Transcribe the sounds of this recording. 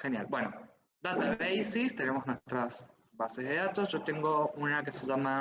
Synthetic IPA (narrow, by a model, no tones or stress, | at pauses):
xe̞nja̰lbwe̞no | d̪at̪aβejsist̪e̞ne̞moznwest̪ɾas | base̞zðeat̪osʝot̪e̞ŋɡouneake̞seʒama